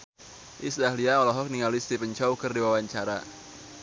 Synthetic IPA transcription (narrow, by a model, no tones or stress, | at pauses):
ʔisdahliaɔlɔɦɔk̚niŋalist̪ipəɲt͡ʃɔukərdiwawaɲt͡ʃaɾa̰